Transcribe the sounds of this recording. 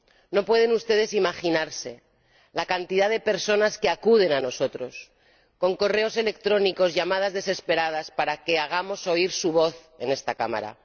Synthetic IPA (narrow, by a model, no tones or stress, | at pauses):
no̞pwe̞ðe̞nust̪e̞ðe̞simaxinaɾse̞ | lakant̪iðaðe̞pe̞ɾso̞naske̞akuð̞e̞nano̞so̞t̪ɾo̞s | ko̞ŋko̞re̞o̞se̞le̞k̚t̪ɾo̞niko̞zʝamað̞azðe̞se̞spe̞ɾað̞aspaɾake̞aɣ̞amo̞so̞iɾsuβo̞θ | e̞nest̪akama̰ɾa̰